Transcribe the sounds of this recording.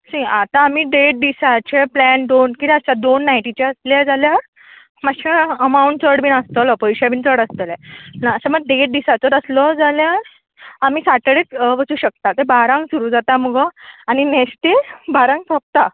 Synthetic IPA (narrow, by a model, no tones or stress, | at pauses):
sĩat̪aːmiːɖeʈ̚ɖisat͡ɕeplɛnd̪onkit̪ət͡ɕad̪onːajʈit͡ɕaəsljad͡zalja | maɕʰeəmauɳʈ̚t͡səɽbiːnəst̪əlɔpəjɕabʱint͡səɽəst̪əlɛnaəsaməɡ̚ɖeʈ̚ɖisat͡sɔɾəslɔd͡zalja | amiːsaʈəɽekʋət͡suːɕək̚t̪at̪ebaɾãŋɡsuɾuːd͡zat̪aməɡɔaninesʈebaɾãŋɡsəp̚t̪a